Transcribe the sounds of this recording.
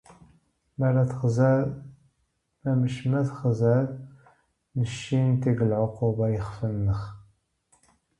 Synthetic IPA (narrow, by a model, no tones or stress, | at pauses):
mæɾæθχz | mæməʃmæθχzæð | nəʃːint̪iɡəlʕʊqubɑjəχfənːəχ